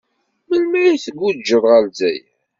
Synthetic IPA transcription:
məlmæjiθəɡːud͡ʒːəðˤʁælzæjæ

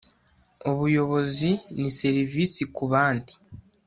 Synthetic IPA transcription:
o̞βujo̞βo̞zinise̞ɾiviːsikuβaːndi̥

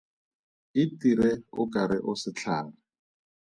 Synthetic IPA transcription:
ɪtiɾɛʊkʼaɾɪ̰ʔʊsɪt͡ɬʰaːnʊ

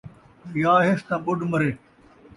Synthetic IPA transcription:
jaːɦest̪ãːɓʊɖmɐɾeː

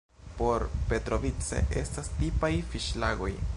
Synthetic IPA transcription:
po̞ɾpe̞tɾo̞vit͡se̞̰ʔe̞̰stastipajfiʃlaɡo̞j

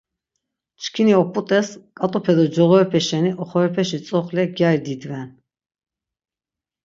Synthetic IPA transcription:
t͡ʃkʰiniɔpʼut̪ʼɛskʼat̪ʼupʰɛd̪ɔd͡ʒɔɣɔɾɛpʰɛʃɛniʔɔχɔɾɛpʰɛʃit͡sʼɔχlɛɡjaɾid̪id̪vɛn

